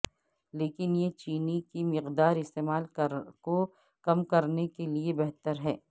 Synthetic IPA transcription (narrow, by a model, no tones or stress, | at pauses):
leːkɪnjet͡ʃiːnikimɪqd̪aːɾɪst̪eːmaːlko | kɐmkɐɾnekeliebɛɦt̪əɾɦɛː